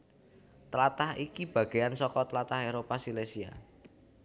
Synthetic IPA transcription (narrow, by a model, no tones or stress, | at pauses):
t̪əlat̪ahikib̥ä̤ɡ̥e̤jansɔkɔt̪əlat̪aɦeɾopasilesia̰